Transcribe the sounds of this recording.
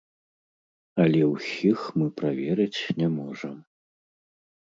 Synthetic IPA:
ɐlʲɛwsʲixmɨpɾavʲɛɾɨt͡sʲnʲɛmɔʐɐm

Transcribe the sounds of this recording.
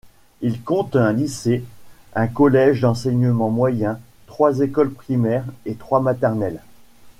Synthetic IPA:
ilkɔ̃t̪ɛ̃lise | ɛ̃kɔlɛʒd̪ɑ̃sɛɲəmɑ̃mwajɛ̃ | t̪χwazekɔlpχimɛʁet̪χwamat̪ɛʁnɛl

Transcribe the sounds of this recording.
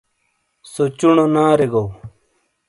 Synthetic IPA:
sot͡ɕuɳonaːɾeɡow

